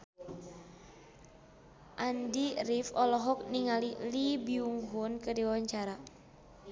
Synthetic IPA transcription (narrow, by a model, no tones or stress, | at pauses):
ʔandirifɔlɔɦɔk̚niŋalilibiuŋɦunkədiwawaɲt͡ʃaɾa